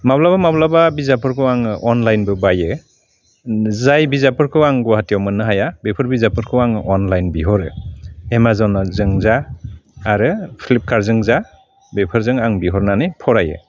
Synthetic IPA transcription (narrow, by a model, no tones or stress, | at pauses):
mablabamablababizapʰɯɾkʰɯwaŋʔɔnlajnbɯbajɯ | zajbizapʰɯɾkʰɯwaŋɡuaɦatijawmɯnːɯɦajabepʰɯɾbizapʰɯɾkʰɯwaŋʔɔnlajnbiɦɔɾɯ̰emazawnɔzɯŋzaː | ɾɯpʰilip̚kʰaɾzɯŋza | bepʰɯɾzɯŋaŋbiɦɔɾnanɯjpʰɔɾajɯ̰